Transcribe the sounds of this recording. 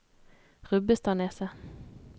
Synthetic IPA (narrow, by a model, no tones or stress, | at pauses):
ʁʉbəst̪ʰɑːneːsə